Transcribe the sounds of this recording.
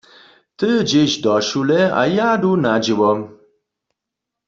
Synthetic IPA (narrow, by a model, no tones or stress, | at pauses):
t̪ɨd͡ʒeɕd̪ɔʃulɛa̰jad̪unad͡ʑiwɔ